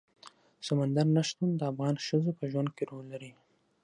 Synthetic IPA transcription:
samand̪aɾnaʃt̪und̪əafɣɑnʃəzopəʒwand̪̚keɾolːaɾi

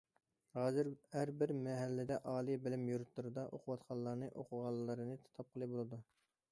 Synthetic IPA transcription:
hɑːzɪɾhæɾbɪɾmɛɦælːɪd̪ɛʔɑːlˠibɪlɪmjuɾt̪lˠɨɾɨd̪ɑʔoqʰʊwɑt̪qʰɑlˠːɑɾnɨʔoqʰʊʁɑlˠlːˠɨɾɨnɨt̪ʰɑ̥t̪ʰɑp̚qʰəlˠɨbolˠɨd̪u

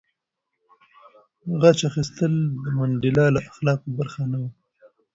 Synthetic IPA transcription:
ɣat͡ʃaxist̪əld̪əmanɖɪlɑlaʔaxlɑkobaɾxanawi

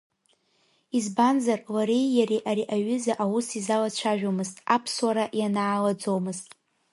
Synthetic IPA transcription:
izbanzarlaɾejjaɾiʔaɾiʔaɥʏzaʔawusizalat͡ʃʷʰaʒᶣomɨztʼapʰswaɾaʔjanaːlad͡zo̞mɨztʼ

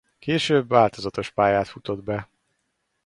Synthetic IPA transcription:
keːʃøːbvaːlt̪o̞zɒt̪o̞ʃpaːjaːt̪fut̪o̞d̪bɛ

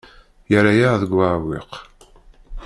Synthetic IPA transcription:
jəɾajaʁðəɡʷːaʕwḭq

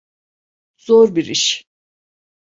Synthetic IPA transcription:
z̥oɾbiɾiʃ

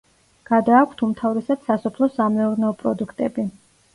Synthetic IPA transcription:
ɡ̥ad̪aːkʷʰt̪ʰumt̪ʰavɾɛsad̪̥sasɔpʰlˠɔsamɛuɾnɛɔpʼɾɔd̪ukʰt̪ʼɛbi

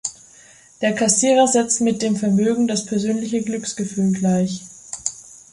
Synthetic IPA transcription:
d̥eːɐkʰasiːʁɐzɛt͡stmɪt̚d̥eːmfɛɐmøːɡŋ̩daspʰɛɐzøːnlɪçəɡlʏksɡ̥əfyːlɡlaɪç

